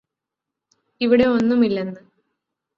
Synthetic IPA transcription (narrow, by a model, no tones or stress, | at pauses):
iʋiɽe̞o̞nːumilːenːɨ